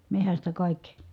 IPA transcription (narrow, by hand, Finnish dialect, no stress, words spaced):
mehæstæ kɑˑikːi